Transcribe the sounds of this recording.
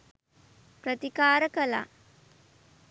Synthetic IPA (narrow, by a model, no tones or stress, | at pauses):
pɾət̪ikaːɾəkəla̰